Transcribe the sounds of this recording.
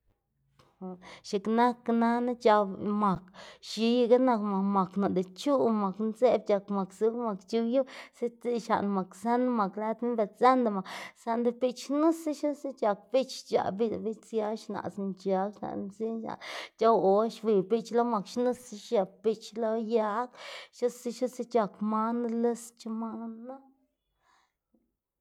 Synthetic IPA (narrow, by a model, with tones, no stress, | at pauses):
ʃi˨kna˦kna˦na˦t͡ʃa˧bma˨kʃi˧ji˧ɡa˦na˧kma˨ma˨kna˨d̪e˨t͡ʃu˦ma˨knze˦b̚t͡ʃʲa˨kma˨ksu˧˦ma˨kt͡ʃu˧˦ju˦se˦t̪i˦ʃa̰˨ʔnma˨ksa˦na˦ma˨kla˧˦t̪mi˦nbe˧sa˦nd̪a˧ma˨sa˧nd̪e˧pi˦˧t͡ʃnu˦si˦ʃo˦si˦t͡ʃʲa˨k̚bi˦t͡ʃt͡ʃa̰˨bi˦˧˨bi˦t͡sja˧˦ʃna̰˨snt͡ʃa˨˦kʃna̰˨ʔn˧nzi˦nʃa̰˨nt͡ʃʲa˦wo˧ʃwi˨bi˦t͡ʃlo˦ma˨kʃnu˦si˧ʃja˨pi˧t͡ʃlo˦ja˧˦kʃo˦si˦ʃu˦si˦t͡ʃa˨kma˧nle˦st͡ʃu˦˧ma˧n˦na˦